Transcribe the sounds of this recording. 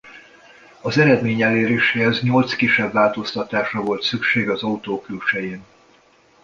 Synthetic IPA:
ɒzɛɾɛd̪meːɲɛlːeːɾeːʃeːɛzɲo̞lt̪skiʃːɛbvaːlt̪o̞st̪ɒt̪aːʃrɒvo̞lt̪sykʃeːɡɒzɒut̪oːklut͡ʃɛjeːn

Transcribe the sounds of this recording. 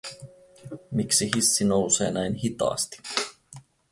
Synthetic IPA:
miksiɦisːino̞wsḛːnæjnɦit̪ɑ̰ːst̪i̥

